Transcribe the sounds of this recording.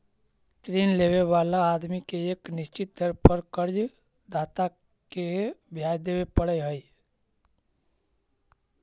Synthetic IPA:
t̪ɾiːnleːweʋaːlaaːd̪mikeeːknɪst͡ʃɪt̪ːəɾpəɾkəɾd͡ʒ | d̪aːt̪a | kebʱjaːjd̪eːwepəɽəjɦəj

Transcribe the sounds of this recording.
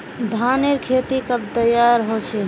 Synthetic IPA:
d̪ʱaneɾkʰet̪ikəb̚t̪əjaɾɦot͡ʃʰɛ

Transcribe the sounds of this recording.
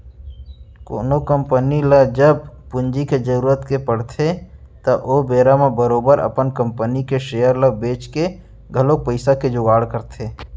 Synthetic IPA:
ko̰ːnokəmpəniləd͡ʒəb̚pʊnd͡ʒiked͡ʒəɾuːɾət̪kepəɽ̤t̪ʰe | t̪ɐʔoːbeːɾamebəɾoːbəɾə̰pənkə̃mpənikeʃeːjəɾləbeːt͡ʃke | ɡʱəlok̚pəɪsaked͡ʒʊɡaːɽkəɾt̪ʰeː

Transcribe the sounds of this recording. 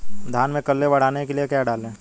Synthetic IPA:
d̪ʱaːnmẽkɐlːebɐɽ̤aːnekeliekjaɖaːlẽː

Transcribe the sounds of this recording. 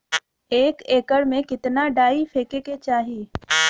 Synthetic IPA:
eːkeːkəɽmẽkɪt̪naɖaːifʰeːkeket͡ʃaːɦieː

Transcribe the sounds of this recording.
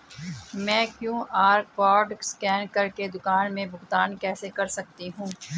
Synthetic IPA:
mɛ̃ːkjõːʔaːɾkɔːɾɖskɛːnkɐɾked̪ʊkaːnmẽbʊɡt̪aːnkɛːsekɐɾsɐk̚t̪iɦũː

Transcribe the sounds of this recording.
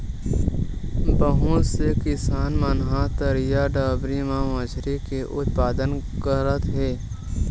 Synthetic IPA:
bəɦũsekɪsaːnmənɦãt̪əɾijaɖaːbɾimãməd͡ʒʱɾikeʔʊt̪̚paːd̪ənkəɾət̪ɦeː

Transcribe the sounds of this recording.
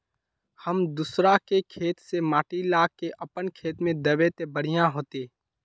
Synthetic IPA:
həmd̪usɾakekʰeːt̪semaːʈilaːkːeʔɐpənkʰeːt̪mẽd̪ɐʋet̪ebəɽ̤ijãɦoːt̪eː

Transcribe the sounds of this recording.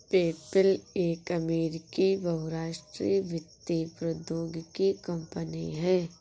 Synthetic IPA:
peːpəleːkɐmeːɾɪkibɐɦʊɾaːʃʈɾiːʋɪt̪ːipɾəd̪joːɡkikɐ̃mpəniɦɛː

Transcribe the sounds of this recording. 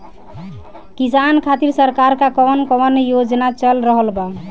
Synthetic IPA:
kisankʰat̪iɾsəɾkaɾkakɔʋənkɔwənjod͡ʒnat͡ʃəlɾəɦəlba

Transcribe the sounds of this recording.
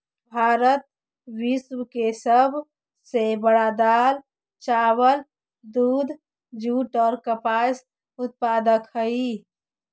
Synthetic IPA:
bʱaːɾət̪̚ | wiswkesəbʱ | sebəɽad̪aːl | t͡ʃaːwəl | d̪uːd̪ʱ | d͡ʒuʈɔːɾkəpaːs | ʊt̪̚paːd̪əkhəi

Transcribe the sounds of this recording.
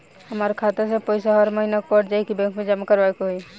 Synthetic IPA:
həmaːɾekʰaːt̪esepəjsaɦəɾməɦinak̚pəʈd͡ʒaːikibɛ̃ŋkmẽd͡ʒɐmakəɾʋajkoɦoi

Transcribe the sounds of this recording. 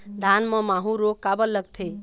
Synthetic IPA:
d̪ʱanmə̃maɦũɾokabəlːəɡt̪ʰe

